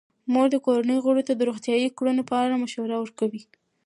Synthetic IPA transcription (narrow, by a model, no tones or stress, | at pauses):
moɾd̪əkoɾanəjɣoɽot̪ad̪əɾoxt̪jɑjikɽonopəaɾamaʃwaɾawəɾkawi